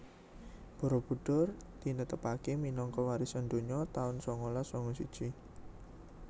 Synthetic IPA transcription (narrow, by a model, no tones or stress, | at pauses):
b̥ɔ̤ɾɔb̥ṳɖ̥ɔrd̪̥i̤nət̪əpakeminɔŋkɔwaɾisɔnd̪o̤ɲɔt̪aʊnsɔŋɔlɔsɔŋɔsid̥ʒ̥i